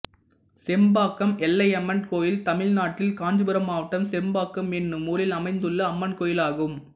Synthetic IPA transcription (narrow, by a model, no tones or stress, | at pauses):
sɛmbaːkːɐmɛlːɐɪɐmːɐnkoːjɪlt̪ɐmɪlnaːʈːɪlkaːɲd͡ʒɯbɯɾɐmaːʋɐʈːɐmsɛmbaːkːɐmɛnːɯmuːlɪlɐmɐɪnd̪ɯɭːɐːmːɐnkoːjɪlaːɣɯm